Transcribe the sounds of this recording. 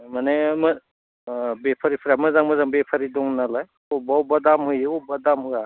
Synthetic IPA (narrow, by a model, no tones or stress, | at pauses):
manema | bepʰaɾipʰɾamɯzaŋmazaŋbepʰaɾidɔŋnalaj | ɔbawbadamhɯjubadamɯja